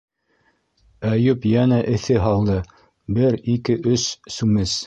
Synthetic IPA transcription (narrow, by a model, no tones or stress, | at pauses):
æjɵpjænæʔɘ̆θɘɦɑlˠd̪ɤ | bɘɾikɘʔɵsːʉmɘs